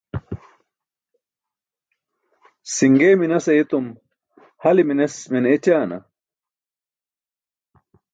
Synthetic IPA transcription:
siŋɡeːminɐsɐit̪um | hɐliminesmenet͡ɕaːnɐ̰

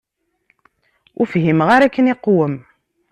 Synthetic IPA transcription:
ʊfɦimʁaɾækːəniqːwəm

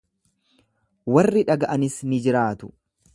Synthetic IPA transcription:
wɐrːɪᶑɐɡɐʔɐnɪsnɪd͡ʒɪɾaːt̪ʊ̥

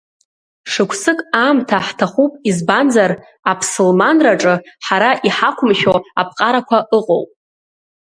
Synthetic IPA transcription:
ʂɨkʷʰsɨkʼaːmtʰaħtʰaχupʼizbanzar | apʰsɨlmanraʈ͡ʂʼɨħaɾaʔiħakʷʰʊmʃoapʰqʼaɾakʷʰaʔɨqʼo̰wpʼ

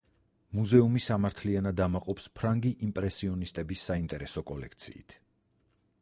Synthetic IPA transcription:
muzɛumisamaɾt̪ʰlianad̪amaqʼɔpspʰɾaŋɡiʔimpʼɾɛsiɔnist̪ʼɛbisːaint̪ʼɛɾɛsɔkʼɔlɛkʰt̪sʰḭːt̪ʰ

